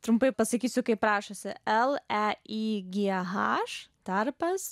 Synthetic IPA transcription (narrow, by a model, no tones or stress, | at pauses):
t̪ɾʊmpɐɪpɐsɐkʲiːsʲʊkɐɪpɾɑːʃosʲɪɛlˠɛiɡʲiɦɑːʃt̪ɐɾpɐs